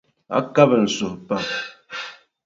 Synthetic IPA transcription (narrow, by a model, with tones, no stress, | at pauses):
a̰˦ka˦bə˨n̩˨so˨hpa˨p̚